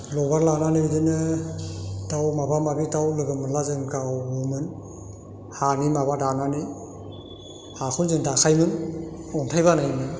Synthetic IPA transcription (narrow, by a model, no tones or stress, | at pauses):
lɔbaɾlananɯdɯnɯ | dawmabamabitawlɯɡɯmɯnlazɯŋkawɡɯmɯn | hanimaβadananɯj | hakʰunzɯŋdakajmɯnɔntʰajbanajmɯn